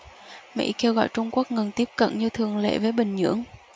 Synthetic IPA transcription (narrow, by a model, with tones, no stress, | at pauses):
mḭ˧˥ke˧wɣɔ̰˧˨jt͡ɕʊ˧ŋ͡mku˦˥ək̚ŋə˨˩nt̪i˦˥əp̚kə̰˧˨nɲɨ˧t̪ʰɨ˨˩əŋlḛ˧˨vəː˨˦jɓï˨˩ŋ̟ɲɨ̰˧˥əŋ